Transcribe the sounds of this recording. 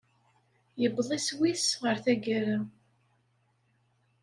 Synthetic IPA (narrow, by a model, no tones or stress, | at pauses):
jəbðˤiswisʁəɾθæɡəɾa